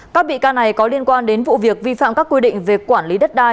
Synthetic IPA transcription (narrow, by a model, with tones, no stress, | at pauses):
kkaː˦˥k̚ɓḭ˧˨kaː˧na˨˩jkɔ˨˦li˧ənkwaː˧nɗe˨˦nvṵ˧˨vi˨˩ək̚vi˧fa̰ː˧˨mkaː˦˥kːwi˧ɗḭ˧˨ŋ̟vi˨˩kwaː˧˩nli˨˦ɗə˦˥t̚ɗaː˧j